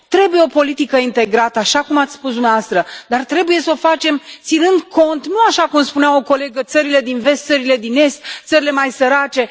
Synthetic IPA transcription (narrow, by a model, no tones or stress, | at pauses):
t̪ɾe̞buje̞o̞po̞lit̪ikəint̪e̞ɡɾat̪əaʃakumat̪sʲspusd̪umneavast̪ɾəd̪art̪ɾe̞buje̞so̞fat͡ʃe̞mt̪sinɨnd̪ko̞nt̪nuaʃakumspuneawoko̞le̞ɡət̪səɾile̞d̪inve̞st̪səɾile̞d̪ine̞st̪t̪səɾile̞majsəɾat͡ʃe̞